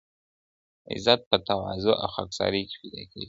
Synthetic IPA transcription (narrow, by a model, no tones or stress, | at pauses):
ɪ̰zat̪̚pət̪awɑzʊʔa̰wxaksɑ̰ɾeke̥pid̪ɑkʰewi